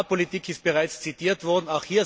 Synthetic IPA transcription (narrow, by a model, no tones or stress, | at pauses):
politiːkʰɪst̚b̥eʁaɪt͡st͡siiːɐtv̥ɔɐdn̩aʊxhiːɐ